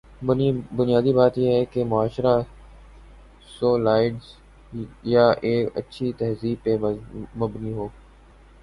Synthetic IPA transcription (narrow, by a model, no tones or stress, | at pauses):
bʊnɪjaːd̪ibaːt̪jeɦɛkemʊaːʃɾa | soːlaːɪɖz | jaʔeːkə̰tːʃʰit̪ɛɦziːb̚pːemʊbniɦoː